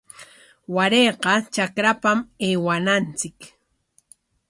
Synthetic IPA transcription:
waɾeːqɑt͡ʃakɾapameːwanant͡sɪk

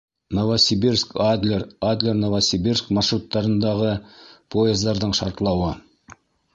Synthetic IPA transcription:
novasʲibirskad̪lʲerad̪lʲernovasʲibʲirskmɑʃrut̪ːɑɾənd̪ɑʁəpʰoezd̪ɑɾd̪əɴʃɑɾt̪əlˠɑwə

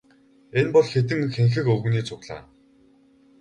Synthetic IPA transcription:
enpɔɮxet̪̬ɘ̆ŋxeŋxɘ̆kɵɣniːt͡sʰʊɣɮa̰ː

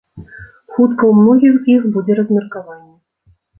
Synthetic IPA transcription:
xut̪kɐumnɔɣʲixzixbud͡zʲeɾəzmʲɪrkavanʲːɛ

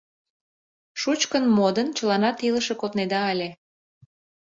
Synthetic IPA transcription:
ʃut͡ɕkənmod̪ənt͡ɕəlɑnɑt̪iləʃekot̪ned̪ɑːlʲe

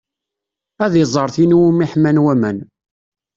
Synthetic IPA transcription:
æðjzˤɑɾˤθinwumiħmænwæmæn

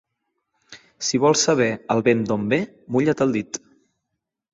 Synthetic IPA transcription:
siβ̞ɔlˠsəβ̞ɛəlˠβend̪ombe | muʎət̪əlˠd̪it̪

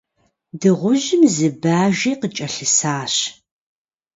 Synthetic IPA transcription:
dɨʁʷʊʒɪmzɨbaːʒeːqət͡ʃʼɐɬɨsaːɕ

